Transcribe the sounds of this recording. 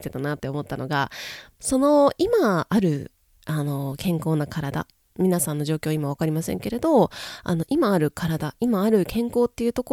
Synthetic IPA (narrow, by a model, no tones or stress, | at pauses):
t̪e̞t̪anat̪ːe̞o̞mo̞t̪ːano̞̰ɡa̰ | so̞no̞imaːɾɯ̟ | ano̞kẽ̞ŋko̞ːnakʰaɾad̪a̰ | mʲinasãnːo̞ʑo̞ːkʲo̞ːimaβ̞akaɾʲimasẽŋke̞ɾe̞d̪o̞a̰no̞ʔimaːɾɯ̟kʰaɾad̪aʔimaːɾɯ̟kʰẽ̞ŋko̞ːt̪ːe̞jɯ̟ːt̪o̞ko